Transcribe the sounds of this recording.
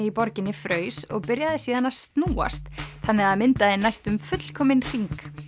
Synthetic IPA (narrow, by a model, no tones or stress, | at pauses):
ɪipɔɾcɪnːɪfɾœːɥsɔ̰ɣpɪɾjaðɪsiːðanḁst̪nuːa̰st̪θanːɪaðmɪnt̪aðɪnajst̪ʏmfʏt̪l̥kʰɔːmɪnr̥iŋk